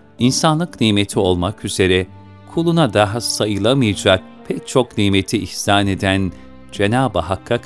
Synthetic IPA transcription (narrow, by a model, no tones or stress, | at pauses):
insanlˠɯkniːme̞t̪ʰio̞lˠmakyze̞ɾɛ | kʰulˠunad̪aɦasajɯlˠamɯjad͡ʒak̚pʰɛc̚t͡ʃʰo̞kniːmet̪ʰiihsaːne̞d̪æn | d͡ʒe̞naːbaɦakʰːak